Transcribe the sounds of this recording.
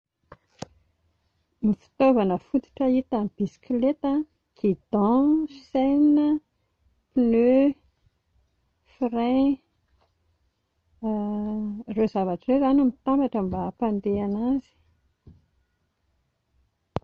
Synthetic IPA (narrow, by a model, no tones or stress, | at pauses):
mifi̥t̪ovanəfut̪i̥ʈ͡ʂəit̪amb̥isi̥kilet̪ə | ɡ̥id̪ɔ̃sejnə | pinø | fiɾe | rezavaʈ͡ʂəɾezanumit̪ambaʈ͡ʂəmbaːpãnd̪eanazi̥